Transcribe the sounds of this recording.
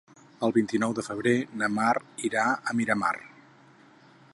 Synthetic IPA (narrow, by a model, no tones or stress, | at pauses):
əlˠβint̪inɔwðəfəβ̞ɾenəmariɾaəmiɾəma̰r